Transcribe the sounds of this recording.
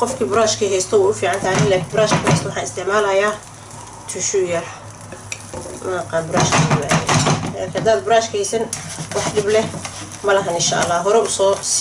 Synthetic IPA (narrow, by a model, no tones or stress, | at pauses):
qɔfkʰibʊɾaːʃkʰiɦɛjst̪ʰɔwɛʊfiːʕɑnt̪ʰaːnɪlaːkʰɪnbʊɾaːʃkʰkʰʊhɛjst̪ɔwʊɑħɑːɪst̪ʰɪʕmaːlɐjaː | t̪ʰʊʃʊjɐħ | mɐ̰qɑːnbʊɾa̰ːʃkʰɐʊmajɛ̰ɛ̰kʰhɐd̪aːd̪bʊɾaːʃkʰɐhɛjsɐnwɑħɖɪblɛ | mɐlɐɦɐnɪnʃa̰ʔɐ̰lːaːɦɔɾɛʊsɔːs